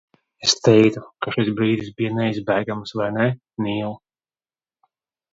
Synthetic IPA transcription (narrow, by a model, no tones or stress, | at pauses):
est̪ɛjt̪ukaʃis̬bɾiːd̪isbijanɛizbæːɡamsvajnɛ | niːlˠ